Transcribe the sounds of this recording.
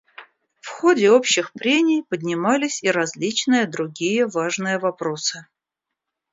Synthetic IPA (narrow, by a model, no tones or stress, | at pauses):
fxodʲɪo̞pɕːɪxpɾʲenʲɪjpədʲnʲɪmalʲɪsʲiɾɐzʲlʲit͡ɕnɨjəd̪ɾʊɡʲijəvaʐnɨjəvɐpɾo̞sɨ